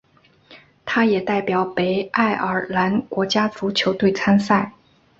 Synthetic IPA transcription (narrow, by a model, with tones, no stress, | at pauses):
t̪ʰa˥jɛ˨˩t̪a˥˩ɪpjɑ˨˩˦ʊpe˧˥ɪʔa˥˩ɪʔə˞˨˩la˧˥nkwɔ˧˥t͡ɕja˥t͡su˧˥t͡ɕʰjo˧˥ʊt̪we˥˩ɪt͡sʰa˥nsa˥˩ɪ